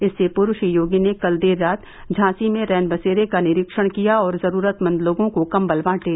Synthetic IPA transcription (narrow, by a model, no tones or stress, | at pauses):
ɪsːepʊɾʊʃijoːɡinekɐld̪eːɾːaːt̪ | d͡ʒʱãːsimẽɾɛːnbɐseːɾekanɪɾɪkʃəɽ̃kijaɔːɾzɐɾuːɾət̪mɐ̃nd̪loːɡõkokɐmbɐlbãːʈeː